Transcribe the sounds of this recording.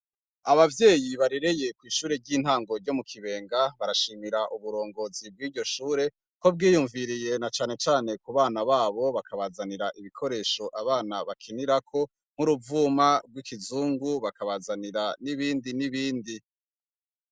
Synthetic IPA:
aβavje̞ːjiβaɾiɾe̞je̞kwiːʃuːɾe̞ɟiːn̥haːŋɡo̞ɾɟo̞mukʰiβe̞ːŋɡaβaɾaʃiːmiɾaʔuβuɾo̞ːŋɡo̞zib̚ɡiːɾɟo̞ʃuːɾe̞ | ko̞b̚ɡiːjuɱviɾije̞nat͡ʃaːne̞t͡ʃaːne̞kuβaːnaβaːβo̞βakaβazaniɾaʔiβikʰo̞ɾe̞ːʃo̞ʔaβaːnaβakʰiniɾakʰo̞ | ŋ̥huɾuvuːmabɡwikizuːŋɡuβakaβazaniɾaniβiːndiniβiːndi

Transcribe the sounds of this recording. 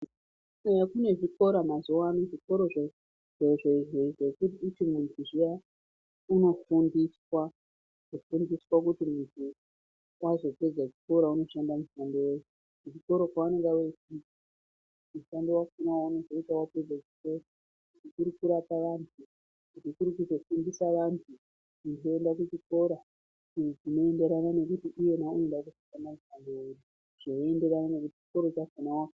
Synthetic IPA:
sejakune̞ʐiko̞ɾamazowanoʐiko̞ɾo̞ʐe | ʐeʐeʐeʐekutiutimuntʰuʐija | uno̞fundiswa | ʐofundiswak̬utimuntʰu | wazo̞pe̞d͡zat͡ʃiko̞ɾauno̞ʃandamuʃandewei | uʐiko̞ɾo̞kwaane̞ŋɡaweti | muʃando̞wakinawouno̞zo̞itawape̞d͡zat͡ʃi̥ko̞ɾa | kutikuɾikuɾataʋantʰu | kutikuɾikuzo̞findisaʋantʰu | kuntoe̞ndakut͡ʃiko̞ɾa | ʐino̞e̞nde̞ɾanane̞kutiʔije̞nauendakusi̥ʃandamuʃandoweju | ʐ̥ooe̞nde̞ɾananek̬uti̥t͡ʃi̥ko̞ɾo̞t͡ʃakinawa

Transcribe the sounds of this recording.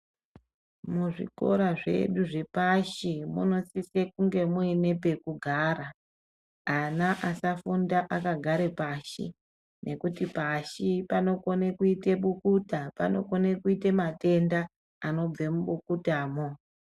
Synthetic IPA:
muʐḭko̞̰ɾaʐe̞̰ɗuʐe̞paʃimṵno̞sisekuŋɡe̞muene̞pe̞kuɡʱaːra | anaʔasafundaʔakaɡʱaɾe̞paːʃḭ | nʔe̞kutipaʃipano̞ko̞nekuiteɓukutapano̞̰ko̞nekuitemate̞ndaː | no̞b͡vemuɓukutaːmo

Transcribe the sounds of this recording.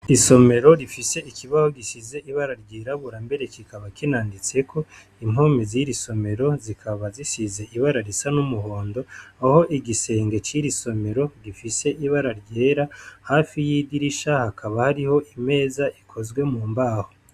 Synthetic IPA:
iso̞me̞ɾo̞ɾifise̞ʔikʰiβaho̞ɡisize̞ʔiβaɾaɾɟeːɾaβuɾambe̞ɾe̞kikaβakinaːndit͡se̞kʰo̞ | imoːmeziɾiso̞me̞ɾo̞zikʰaβazisize̞ʔiβaɾaɾisanumuɦo̞ːndo̞aho̞ʔiɡise̞ːŋɡe̞t͡ʃiɾiso̞me̞ɾo̞ɡifise̞ʔiβaɾaɾɟeːɾahaːfijidiɾiʃahakʰaβahaɾiho̞ʔime̞ːzaʔikʰo̞zɡwe̞muːmbaːho

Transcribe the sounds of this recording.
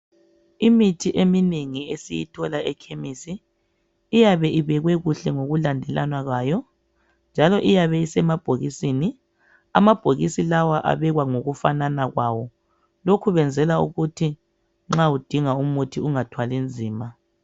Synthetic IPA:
imitʰiʔemineŋiesijitʰɔlaʔɛkʰemisiː | jaβɛʔiβɛɣwɛɣuɬɛŋoɣulandʱɛlanwaɣaːjɔ | nd͡ʒʱalɔʔijaβɛisɛmab̥ʱoɣisini | a̰mab̥ʱoɣisilawaʔa̰βɛɣwaŋoɣufananaɣwawɔ | lokʰuβɛnd͡zʱɛlaṵɣutʰi | ŋ͡ǁaud̥ʱiŋaumutʰiuŋatʰwalind͡zʱiːma

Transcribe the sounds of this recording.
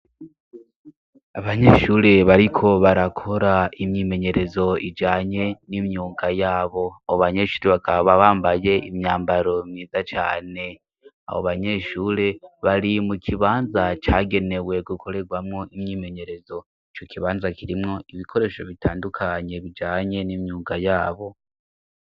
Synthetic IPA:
aβaɲeʃuːɾe̞βaɾikʰo̞βaɾakʰo̞ɾaimɲiːme̞ɲe̞ɾe̞zo̞id͡ʒaːɲe̞nimɲuːŋɡajaːβo̞aβoβaɲe̞ʃuːɾeβaɡaββaβaːmbaje̞ʔimɲaːmbaɾo̞mɲiːzat͡ʃa̰ːne̞ | a̰βo̰βaɲe̞ʃuːɾe̞βaɾimukʰiβaːnzat͡ʃaɡe̞ne̞we̞ɡukʰo̞ɾe̞ɡwamŋo̞ʔimɲiːme̞ɲe̞ɾe̞zo̞ | it͡ʃo̞kʰiβaːnzakiɾimŋo̞iβikʰo̞ɾe̞ʃo̞βitʰaːndukʰaɲe̞βid͡ʒaːɲe̞nimɲuːŋɡajaːβo̞

